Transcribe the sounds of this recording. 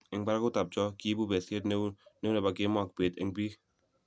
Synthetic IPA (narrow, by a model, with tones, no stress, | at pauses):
ɪ˨ŋba˦ɾa˦ku˦ta˨b̚t͡ʃɔ˦ki˦bu˦be˨se˦tn˦ne˦wne˨ba˨ke˦mɔ˦˨k̚be˨t̪ɪ̰˨ŋbi˦